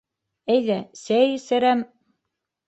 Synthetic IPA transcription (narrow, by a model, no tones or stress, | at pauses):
æjðæsæjɘsɘ̆ɾæm